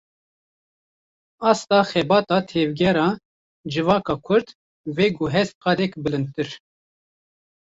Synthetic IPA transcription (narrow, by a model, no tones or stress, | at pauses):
ɑːst̪ɑːxɛbɑːt̪ɑːt̪ʰɛvɡʲɛɾɑː | d͡ʒɨvɑːkɑːkʰʊɾd̪ | veːɡuɦɛst̪̚qɑːd̪ɛkbɨlɨnd̪̚t̪ɨɾ